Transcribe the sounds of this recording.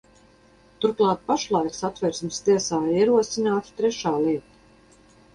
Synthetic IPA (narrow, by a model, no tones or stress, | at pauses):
t̪uɾklˠɑːt̪̚paʃlˠajksat̪vɛɾsmst̪iɛsaːiɛɾuɔsinaːt̪t̪ɾɛʃaːlˠiɛt̪ḁ